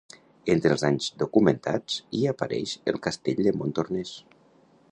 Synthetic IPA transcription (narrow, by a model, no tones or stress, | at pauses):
ent̪ɾəlˠzaɲzd̪ukumənt̪at͡siapəɾɛ̰ʃə̰lˠkast̪eʎd̪əmont̪ornes